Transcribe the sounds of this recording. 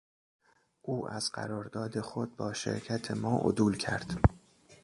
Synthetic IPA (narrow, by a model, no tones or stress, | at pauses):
ʔuːʔæ̰zɢæ̰ɾɒːɾd̪ɒːd̪e̞xo̞d̪̚bɒːʃḛɾcʰæt̪ʰe̞mɒːʔo̰d̪uːlcʰæ̰ɾd̪̥